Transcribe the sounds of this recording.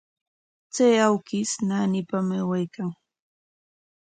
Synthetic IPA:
t͡sajawkɪsnanɪpamawajkaŋ

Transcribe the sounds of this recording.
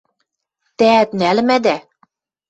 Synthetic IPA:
t̪æːt̪nælɘ̆mæd̪æ

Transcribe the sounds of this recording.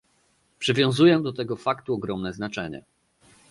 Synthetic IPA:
pʂɘvʲjɔ̃w̃zujɛd̪ɔt̪ɛɡɔfakt̪uɔɡɾɔmnɛznat͡ʂɛɲɛ̰

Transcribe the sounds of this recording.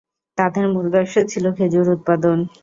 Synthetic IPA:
t̪ad̪eɾmuɾɡaʃot͡ɕʰilokʰed͡ʑoɾut̪̚pad̪on

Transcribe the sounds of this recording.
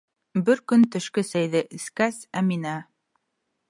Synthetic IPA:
bɘɾkɵnt̪ɵ̆ʃkɘsæjðɘʔɘ̆skæsæminæ

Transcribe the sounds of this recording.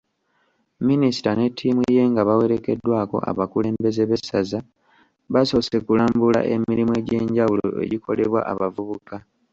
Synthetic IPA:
minisi̥tane̞tʰːimwije̞ːŋɡaβawe̞ɾe̞ke̞dːwaːko̞̰ʔa̰βakule̞ːmbe̞ze̞βe̞sːaza | βaso̞ːse̞kulaːmbula̰ʔe̞miɾimue̞ɟe̞ːɲɟawulo̰e̞̰ɟikʰo̞̰le̞βwa̰ʔa̰βavuβuka

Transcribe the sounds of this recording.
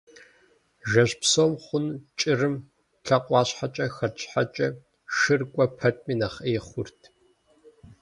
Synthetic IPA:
ʒɐʑpsoːmχʷʊnt͡ʃʼɪrɨm | ɬʰɐqʷʼɑːɕħat͡ʃʼɐxɐt͡ʃʼħa̰t͡ʃʼɐ | ʃɨrkʷʼɔpʰɐtʰʼmiːnɐχeːχʷʊrtʰ

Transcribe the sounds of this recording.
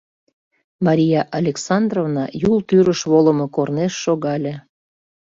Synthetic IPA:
mɑɾʲijɑʔɑlʲeksɑnd̪rovnɑjulˠt̪yɾəʃβoləmokorneʃːoɣɑlʲe

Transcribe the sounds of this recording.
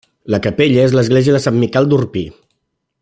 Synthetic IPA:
ləkəpeʎəezləzɣleziəðəsamːikɛlˠd̪urpi

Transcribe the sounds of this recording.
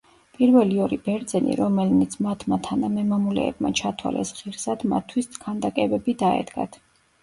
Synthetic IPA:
pʼiɾvɛliɔɾibɛɾd̪zɛnḭɾɔmɛlnit̪sʰmat̪ʰmat̪ʰanamɛmamulɛ̰ɛbma̰t͡ʃʰat̪ʰwa̰lɛ̰sʁiɾsad̪ma̰tt̪ʰwist̪ʰkʰand̪akʼɛbɛbid̪aɛ̰d̪ɡa̰t̪ʰ

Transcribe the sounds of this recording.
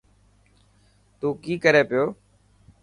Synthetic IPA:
t̪uːkiːkəɾeːpɪjoː

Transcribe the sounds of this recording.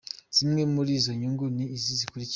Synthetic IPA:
z̥imŋe̞muɾizoɲuŋɡuniːzizikuɾic

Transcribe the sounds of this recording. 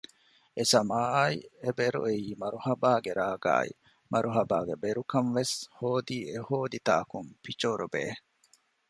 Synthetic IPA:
esɐmaːḭebeɾṵeiːmɐɾuhɐbaːɡeɾaːɡa̰ːḭ | mʔɐɾʔuɦɐbaːɡebeɾukɐnʋeshoːd̪iːehoːd̪it̪a̰ːkumpit͡ʃoɾubḛː

